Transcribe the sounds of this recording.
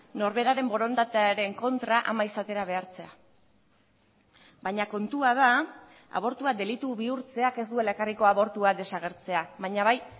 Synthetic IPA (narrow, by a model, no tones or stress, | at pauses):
no̞ɾβe̞ɾaɾe̞mbo̞ɾo̞nd̪at̪ɾe̞ŋko̞nt̪ɾaʔamaisat̪e̞ɾaβe̞aɾt͡se̞a | baɲako̞nt̪uað̞a | a̰β̞o̞ɾt̪uad̪e̞lit̪uβiuɾt͡se̞ake̞zd̪ue̞lekariko̞aβo̞ɾt̪uad̪e̞saɣ̞e̞ɾt͡se̞aβaɲaβaj